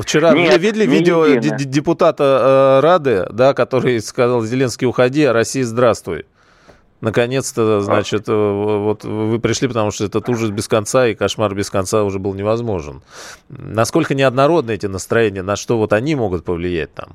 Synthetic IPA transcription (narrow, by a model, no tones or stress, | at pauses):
ft͡ɕɪɾaɨvʲidʲɪlʲɪvʲidʲɪodʲɪpʊt̪at̪əɾad̪ɨəd̪akɐt̪o̞ɾɨjskɐzalˠzʲɪlʲe̞nskʲɪjʊxɐdʲiɐɾɐsʲːijəzd̪ɾast̪vʊ̰j | nəkɐnʲe̞t̪st̪əznat͡ɕɪt̪ovot̪vɨpɾʲɪʂlʲipət̪ɐmuʂt̪oɛt̪ət̪uʐəsbʲɪskɐnt̪saikɐʂmarbʲɪskɐnt̪saʊʐɛbɨlˠnʲɪvɐzmo̞ʐɨ̰n | nɐsko̞lʲkənʲɪɐd̪nɐɾo̞d̪̚nəɛtʲɪnəst̪ɾɐjenʲɪjənɐʂt̪o̞vo̞t̪ɐnʲimo̞ɡʊt̪̚pəvlʲɪjæ̰t̚ʲt̪a̰m